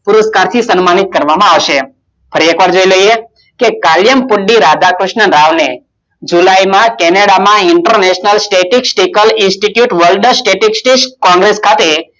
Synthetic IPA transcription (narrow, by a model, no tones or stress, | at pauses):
pʊɾəskaɾt̪ʰisənmanit̪̚kəɾʋamãaʋʃe | fʰəɾiekʋaɾd͡ʒoiləje | kekaljəmpʊɖiɾad̪akɾʊʃnəɾaʋne | d͡ʒulajmãkɛneɽamãɪɳʈəɾneʃnəlsʈeʈiksʈikəlɪnsʈiʈjuʈʋəlɖsʈeʈiksʈiʃkɔ̃ŋɡɾeskʰat̪e